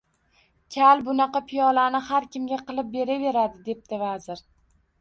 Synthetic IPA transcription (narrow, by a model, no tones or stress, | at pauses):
kʲʰalbʊnɑqɑpʰijɒlanɪhaɾkʲʰɪmɡʲaqɨlˠɪp̚be̞ɾave̞ɾad̪ɪd̪e̞p̚d̪ɪvazɪɾ